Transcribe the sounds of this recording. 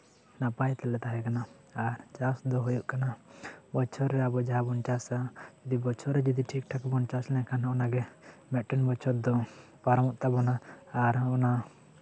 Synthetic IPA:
napajt̪ɛlɛt̪aɦɛkanaː | ɾt͡ʃasd̪ɔɦujuʔkanabɔt͡ʃʰɔɾːɛabɔd͡ʒaɦabɔnt͡ʃasad͡ʒɔd̪ibɔt͡ʃʰɔɾɛd͡ʒɔd̪iʈʰik̚ʈʰakbɔnt͡ʃaslɛ̃kanɦaɔnaɡɛmɛʈɛnbɔt͡ʃʰɔt̚d̪ɔ | paɾɔmɔʔt̪abɔnaːɾɔna

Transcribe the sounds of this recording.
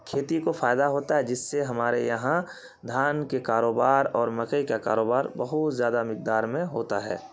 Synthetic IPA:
kʰeːt̪ikofʰaːjd̪aɦoːt̪aɦɛd͡ʒɪsːeɦɐmaːɾejɐɦã | d̪ʱaːnkekaːɾoːbaːɾɔːɾmɐkəikaka̰ːɾoːbaːɾbəɦʊt̪zjaːd̪amɪk̚d̪aːɾmẽɦoːt̪aɦɛ̰ː

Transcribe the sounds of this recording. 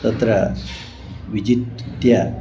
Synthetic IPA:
ɐt̪ɾa | ʋid͡ʑit̪ja

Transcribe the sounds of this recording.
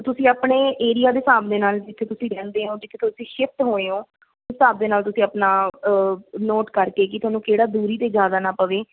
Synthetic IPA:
t̪ʊsĩːapɳeːʔeːɾijaːd̪eːsaːb̚d̪eːnaːlɪt̪ʰːeːt̪ʊsĩːɾɛ̃ːnd̪eːɦõːd͡ʒeːkɪt̪ʰõt̪ʊsĩːʃɪft̪ɦoːẽːɦoː | ʊsːaːb̚d̪eːnaːlt̪ʊsĩːapnaː | noːʈkəɾkeːk̬ɪt̪ʊaːnũːkeːɽaːd̪uːɾiːt̪eːd͡ʒjaːd̪aːnaːpəʋeː

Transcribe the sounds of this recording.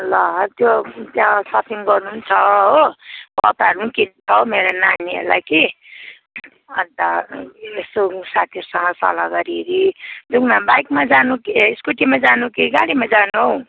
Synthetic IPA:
lʌt̪jot̪jãsʌp̪ʰiŋɡʌrnunt͡sʰʌɦopʌ̰t̪aɾnũkit͡sʰʌwmeɾananiḛla̰ki | ʌnt̪aesosat̪ʰiʌɾusʌŋʌsʌ̰laɡʌɾiɾid̪uknabajkmad͡zanukiskuʈimad͡zanukiɡaɽimad͡zanw

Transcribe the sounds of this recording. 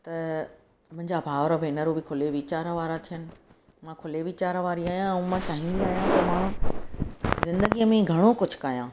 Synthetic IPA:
t̪ɐ | mʊ̃ɦɪ̃ɲd͡ʑabʱaːʋɾəbʱeːnəɾobɪkʰʊleʋiːt͡ɕaːɾʋaːɾat̪ʰijənɪ̆ | mãkʰʊleʋiːt͡ɕaːɾʋaːɾiaːɦijãɛ̃ːmãt͡ɕaːɦɪ̃nbiaːɦijãt̪ɐmãː | zɪ̃nd̪əɡijəmẽɡʱɐɽ̃okʊd͡ʑʱʊ̥̆kaːjãː

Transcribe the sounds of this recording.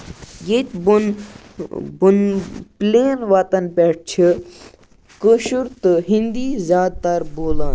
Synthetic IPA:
jet̪ʲbun | bunpleːnʋat̪ɐnpeʈ̚t͡ʃʰi | kəʃuɾt̪ɨɦĩnd̪iːzʲjaːd̪̚t̪ɐɾboːlaːn

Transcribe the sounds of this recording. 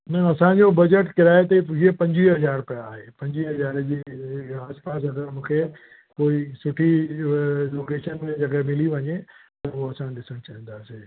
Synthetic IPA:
nə̃ɐsãd͡ʑobɐd͡ʑəʈkɪɾaːet̪iɦiepɐ̃ɲd͡ʑiɦɐzaːɾpɐjaːɦepɐ̃ɲd͡ʑiɦɐzaːɾd͡ʑiːaːspaːs̬ɐɡəɾmũːkʰe | koːisʊʈʰi | loːkeːʃənmẽd͡ʑɐɡemɪliʋɐɲet̪ɐoɐsãɗɪsəɽ̃t͡ɕaɦĩn̆d̪aːseː

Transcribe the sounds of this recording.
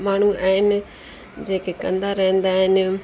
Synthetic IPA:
maːɳ̤uaːɦɪnɪ̆ | d͡ʑeːkekɐ̃nd̪aɾɐɦə̃nd̪aɦɪnɪ

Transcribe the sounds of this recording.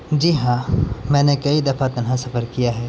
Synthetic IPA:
d͡ʒiːɦãmɛ̃ːnekɐid̪ɐfʰat̪ɐnɦãsɐfəɾkijaɦɛː

